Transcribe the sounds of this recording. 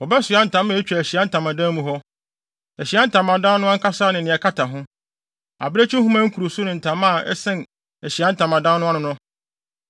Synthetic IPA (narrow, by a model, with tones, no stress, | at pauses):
wɔ˨bɛ˦sʊ˨a˦n̩˨tʰã˨˦m˦e˨˦t͡ɕᶣɛ˨æ˨ɕi˨a˦n̩˦tʰã˨mã˨dã˦mũ˨ɦɔ˦ | æ˨ɕi˨a˦n̩˦tʰã˨mã˨dã˦nnʊ̃˦ã˦ŋ̩˦kʰa˦saː˦nɪ̃˨nɪ̃˨ɛ˨kʰa˦tʰa˨ɦʊ̃˦ | a̰˨be˦t͡ɕʰi˦hũ˦mã˦ŋ̩˦kʰu˨ɾo˨sʊ˦nʊ̃˨n̩˨tʰã˨˦mã˦˨ɛ̰˦sɪ̃˦n | æ˨ɕi˨a˦n̩˦tʰã˨mã˨dã˦n˦nʊ̃˦a˦ʊ̃˦nʊ̃˦